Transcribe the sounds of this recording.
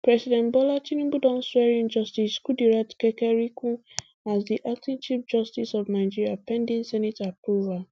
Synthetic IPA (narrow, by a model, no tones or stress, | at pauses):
pɹɛsidɛ̃nbɔlat͡ʃinĩbudɔ̃nswɛɹĩnd͡ʒɔstiskudiɹatkɛkɛɹikũ | asdiʔak̚tĩnt͡ʃip̚d͡ʒɔstisɔvnaɪd͡ʒiɹiapɛ̃ndĩnsɛnitapɹuval